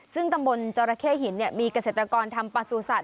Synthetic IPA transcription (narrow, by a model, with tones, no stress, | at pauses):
sɯ˥˩ŋt̪a˧mbo˧nt͡ɕaː˧ɾaː˧kʰeː˥˩hi˩˦nːi˥˩miː˧ka˧se˨˩t̪ɾa˧kɔː˧nt̪ʰa˧mpa˧su˨˧˩sa˨˩t̪̚